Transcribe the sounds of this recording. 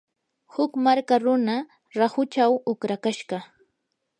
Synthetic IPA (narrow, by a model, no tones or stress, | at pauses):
hʊkmaɾkaɾʊna | ɾahʊt͡ʃawʊkɾakaʃɢɑ